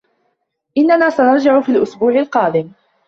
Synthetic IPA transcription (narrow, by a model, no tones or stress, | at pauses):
ʔɪnːanaːsanɑɾˤd͡ʒɪʕʊfiːlʔʊsbuːʕɪlqɑːd̪ɪm